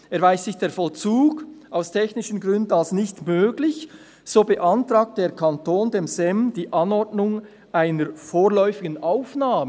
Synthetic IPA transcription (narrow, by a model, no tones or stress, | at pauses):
eːɾvaɪsːɪçd̥eːɾfɔlt͡suːɡʔaʊstʰɛçnɪʃən̩ɡɾʏndən̩alsnɪçtmøːɡlɪç | z̥oːbəʔantɾaːk̚tdeːɾkʰantoːndeːmzɛmd̥iːʔanɔɾdnʊŋ | ʔaɪnəɾfoːɾlɔʏfɪɡənʔaʊfnaːmə